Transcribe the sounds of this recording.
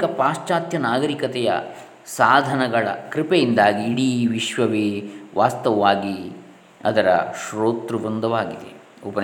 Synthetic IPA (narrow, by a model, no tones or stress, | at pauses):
kɐpaːʃt͡ʃaːt̪jɐnaːɡɐɾikɐt̪ɛjɐ̰ | saːd̪ʱɐnɐɡɐɭɐ̰kɾipejind̪aːɡiːɽiʋiʃʋɐʋeːʋʔaːst̪ɐʋʋaːɡi | ɐd̪ɐɾɐ̰ʃɾoːt̪ɾuʋund̪ɐʋaːɡid̪ḛ | upɐn